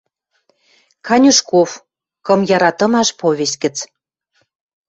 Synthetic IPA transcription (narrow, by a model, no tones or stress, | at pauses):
kʰɑnʲuʃkof | kɤ̆mjɑɾɑt̪ɤ̆mɑʃpoβʲes̚ʲkə̆t͡s